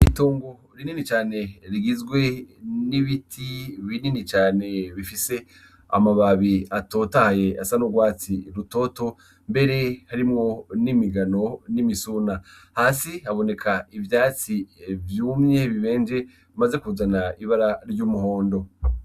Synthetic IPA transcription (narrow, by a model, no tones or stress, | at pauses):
itoːŋɡo | ɾininit͡ʃaːne̞ɾiɡizɡwe̞niβitʰiβininit͡ʃaːne̞βifise̞ | a̰maβaβiato̞tahaje̞a̰sanoɡwaːt͡siɾuto̞ːto̞ | mbe̞ɾe̞haɾimŋo̞nimiɡano̞nimisuːna | haːsiaβo̞ne̞kʰaivjaːt͡sivjuːmɲe̞βiβe̞ːnd͡ʒe̞ | maze̞kuzanaiβaɾaɾɟuːmuho̞ːndo̞